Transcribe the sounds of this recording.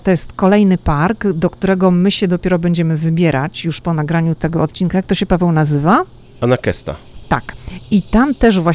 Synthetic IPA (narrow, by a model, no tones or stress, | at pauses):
t̪ɔjɛst̪kɔlɛjnɘpaɾɡd̪ɔkt̪uɾɛɡɔmɘɕɛd̪ɔpʲɛɾɔbɛɲd͡ʑɛmɘvɘbʲjɛɾʔat͡ɕjuʂpɔnaɡɾaɲut̪ɛɡɔɔt̪̚t͡ɕinkajakt̪ɔɕɛpavɛwnazɘva | anakɛ̰st̪a̰ | t̪a̰kit̪amt̪ɛʐvwa